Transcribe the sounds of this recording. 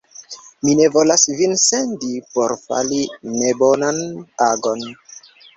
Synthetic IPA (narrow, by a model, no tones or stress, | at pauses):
mine̞vo̞lasvinsendipoɾfa̰line̞bo̞nanaɡon